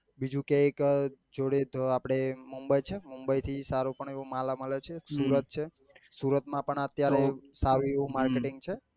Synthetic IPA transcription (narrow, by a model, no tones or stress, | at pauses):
bid͡ʒũkeekd͡ʒoɽed̪ʱapɽ̃emumbəjt͡ʃʰemumbəjt̪ʰisaɾupəɳeʋoũmalamələt͡ʃʰesuɾət̪̚t͡ʃʰe | suɾət̪mãpəɳət̪jaɾesaɾũeʋũmaɾkeʈiŋɡt͡ʃʰe